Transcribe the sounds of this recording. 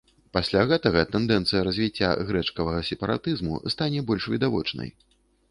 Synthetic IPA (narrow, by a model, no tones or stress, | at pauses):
pasʲlʲaɣɛt̪ɐɣɐt̪ɛnd̪ɛnt̪sɨjɐɾɐzʲvʲit͡sʲːa̰ɣɾɛt͡ʂkɐvɐɣɐsʲɛpɐɾa̰t̪ɨzmṵst̪anʲɛbɔlʲʂvʲid̪avɔ̰t͡ʂnɐ̰j